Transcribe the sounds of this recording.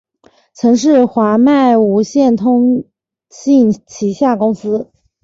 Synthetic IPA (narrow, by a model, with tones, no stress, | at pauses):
t͡sʰɤ˧˥ŋʂ̬ɻ̩˥˩xwa˧˥ma˥˩ɪu˧˥ɕjɛ˥˩nt̪ʰʊ˥ŋ | ɕi˥˩nt͡ɕʰi˧˥ɕja˥˩kʊ˥ŋsɹ̩˥